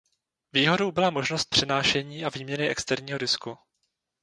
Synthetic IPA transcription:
viːɦo̞do̞wbɪlamo̞ʒnost̪̚pr̥ɛnaːʃɛɲiːʔaviːmɲɛnɪʔɛ̰kst̪ɛɾɲiːɦoɾɪsku

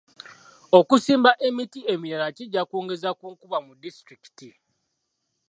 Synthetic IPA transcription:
o̞kusiːmbaʔe̞mitie̞miɾalaciɟːakoːŋɡe̞zakuːŋkuβamudistɾiki̥ti

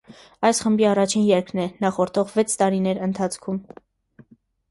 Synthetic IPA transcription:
ɑjsχəmbiɑrɑt͡ʃʰinjɛɾkʰɾnɛnɑχɔɾt̪ʰɔʁvɛt͡sʰt̪ɑɾinɛɾənt̪ʰɑt͡sʰkʰum

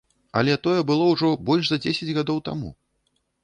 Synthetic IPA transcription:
ɐ̰lʲɛt̪ɔjɛbɨlˠɔwʐɔbɔlʲʂzɐd͡zʲesʲɛd͡zʲɣad̪ɔwt̪a̰mṵ

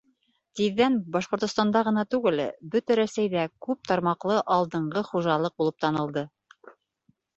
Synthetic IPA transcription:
t̪iðːænbɑʃqŏɾt̪ŏst̪ɑnd̪ɑʁɤ̆nɑt̪ʉɡɘlbɵt̪æɾæsæjðækʉp̚t̪ɑɾmɑqlˠɤʔɑlˠd̪ɤ̆ɴɢʁɤχuʒɑlˠɤq̚bulˠɤp̚t̪ɑnɤ̆lˠd̪ɤ

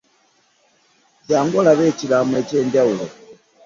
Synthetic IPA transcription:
daŋɡɔlaβɛt͡ʃilamwɛt͡ʃɛːndaulɔ

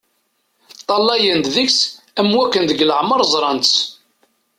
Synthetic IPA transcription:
t̪ˤːɑlːɑjənd̪ðiks | æmwækːənd̪əɡləʕməɾˤzˤɾˤɑnt͡s

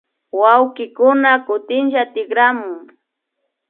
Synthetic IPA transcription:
wawkɪkʊnakʊt̪ɪnʒat̪ɪɡɾamʊŋ

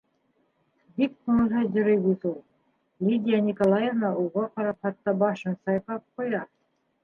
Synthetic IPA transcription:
bik̚qonɤ̆lɦɤʑɤ̆ɾɤjbuzulˠ | lʲid̪ʲijanʲikolˠɑjevnɑuʁɑqɑɾɑpχɑt̪ːɑbɑʃɤ̆nsɑjqɑp̚qojɑ

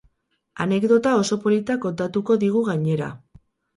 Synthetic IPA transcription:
ane̞kd̪o̞t̪ao̞so̞po̞lit̪ako̞nt̪at̪uko̞ðiɣ̞uɣaɲe̞ɾa̰

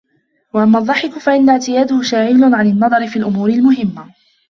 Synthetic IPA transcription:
waʔamːaðˤːɑħɪkʊfaʔɪnːaʕt̪ɪjaːd̪ʊhʊʃaːʕiːlʊnʕanɪnːɑðˤɑɾɪfiːlʔʊmuːɾɪlmʊɦɪmːa

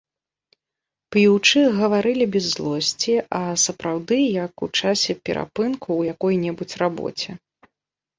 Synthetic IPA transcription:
plʲiwt͡ʂɨɣɐvaɾɨlʲibʲɛzːlˠɔsʲt͡sʲiʔɐsɐpɾawd̪ɨjɐkut͡ʂasʲɛpʲɛ̰ɾʔa̰pɨnkuːjakɔjnʲɛbut͡sʲrabɔ̰t͡sʲɛ

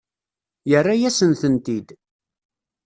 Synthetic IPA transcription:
jərːajæsənθənt̪id̪

